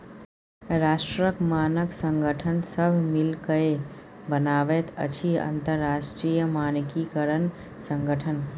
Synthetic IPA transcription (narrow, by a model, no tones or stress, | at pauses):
ɾasʈɾəkmanəksəŋɡəʈʰənsəbʱmilkəe | bənabɛt̪ə̰t͡ʃʰiə̰nt̪əɾːasʈɾijəmankikəɾən | səŋɡəʈʰən